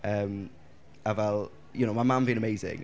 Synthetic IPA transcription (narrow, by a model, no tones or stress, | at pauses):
ʔəm | əvɛlˠ | jənoʊmaɪmãnbiːə̃nəmeɪzɪ̰̃ŋ